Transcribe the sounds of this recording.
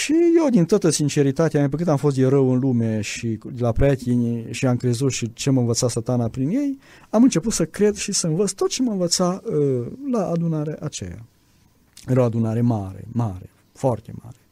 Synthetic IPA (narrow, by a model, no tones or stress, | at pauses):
ʃije̞wd̪int̪oat̪əsint͡ʃe̞ɾit̪at̪eamap̬əkɨnamfo̞s̬t̪eɾəwɨnlume̞ʃid̪elapɾat̪ʲinʲʃiamkɾe̞zut̪ʃit͡ʃeməɨnvət̪sasat̪anapɾinje̞j | amɨnt͡ʃe̞put̪səkɾe̞d̪ʃisəɨnvət̪st̪o̞t̪̚t͡ʃe̞məɨnvət̪saəlaʔːd̪unaɾeeʔat͡ʃḛja̰ | ɾoad̪unaɾe̞maɾḛmaɾḛ | foart̪e̞̰ma̰ɾe